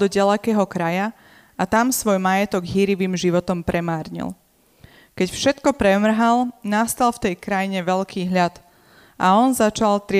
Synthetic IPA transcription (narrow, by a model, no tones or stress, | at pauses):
d̪ɔɟalɛkɛːɦɔkɾaja | ʔat̪amsʋɔjmajɛt̪ɔɡɦiːɾiʋiːmʒiʋɔt̪ɔmpɾɛmaːɾɲḭl | kɛcfʃɛt̪kɔpɾɛmr̩ɦalˠnast̪alft̪ɛjkɾajiɲɛʋɛʎkʰiːɦʎat̪ | ʔaɔnzat͡ʃalt̪ɾɪ